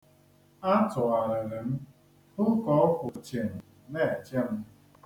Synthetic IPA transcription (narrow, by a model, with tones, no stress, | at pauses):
a˦tʊ˨a˨ɾa˨ɾe˨m̩˦ | hʊ˦kɔ˦kʷʊ˨t͡ʃe˨ŋ̩˨ | ne˦˨t͡ʃe˦m̩˦